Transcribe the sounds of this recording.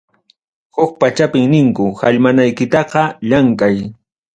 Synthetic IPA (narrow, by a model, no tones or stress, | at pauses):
hʊk̚pat͡ʃapɪŋnɪŋkʊhaʎmanajkɪt̪ɑqɑʎaŋkaj